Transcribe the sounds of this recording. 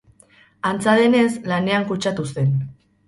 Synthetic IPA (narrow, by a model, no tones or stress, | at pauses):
ant͡saðe̞ne̞slane̞aŋkut͡ʃat̪use̞n